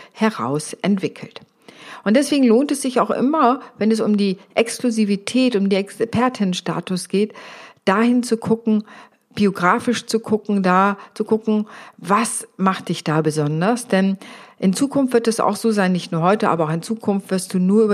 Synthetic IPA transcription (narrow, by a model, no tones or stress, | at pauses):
hɛʁa̰ʊsʔɛntv̥ɪkʰl̩t | ʔʊnt̚d̥ɛsv̥eːɡŋ̩loːntɛsz̥ɪçaʊxʔɪ̰mɐvɛnɛs̬ʊmdiːʔɛkskluzivitʰɛːtʊmdeːnɛkspʰɛɐtʰɪnənʃta̰ːtʊsɡ̥eːtd̥aːhɪnt͡sukʰʊkŋ̩ | b̥ioɡʁaːfɪʃt͡sukʰʊkŋ̩daːt͡sukʊkŋ̩vasmaχt̚d̥ɪçd̥aːbəzɔndɐsd̥ɛnʔɪnt͡suːkʰʊnftv̥ɪɐtd̥ɛsa̰ʊxz̥oːzaɪnːɪçtnuːɐɦɔʏtəʔa̰ːbɐaʊxɪnt͡suːkʰʊnftv̥ɪɐst̚d̥uːnuːɐʔyb